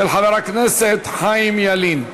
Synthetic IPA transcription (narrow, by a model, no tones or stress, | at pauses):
ɪlħɑðɑɾˤɑkneset̪ħaːjɪmjaliːn